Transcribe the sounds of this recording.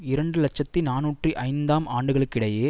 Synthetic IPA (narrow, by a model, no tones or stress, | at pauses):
ɪɾɐɳɖɯlɐt͡ʃːɐtt̪ːinaːnuːʈriʔɐɪnd̪aːmaːɳɖɯɣɐɭɯkːɪɽɐjeː